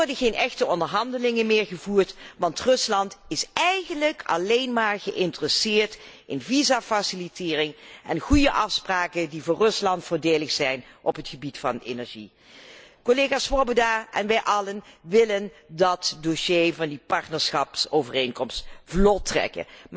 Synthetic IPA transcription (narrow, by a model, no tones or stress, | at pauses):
ɔɹdəɣejnɛxtəɔndəɹɦɑndəlɪŋənmɪːɹɣəvuːɹtʋɑntrɵslɑntɪsɛjɣənləkʰɑ̰lejnmaːɹɣəʔɪntərəsɪːɹt | ɪnvizaːfasilitɪːrɪŋɛnχujəʔɑfspraːkəndivʊːrɵslɑntfʊːɹdeːləxsɛjnʔɔpɦətχəbitfɑ̰nḛnɛɹʒḭ | koleɣaːsʋɔɹbodaʔɛnʋɛjʔɑlənʋɪləndɑtdoʃejvɑndipɑɹtnəɹsχɑpsowvərejnkɔmstvlɔtrɛ̰kə̰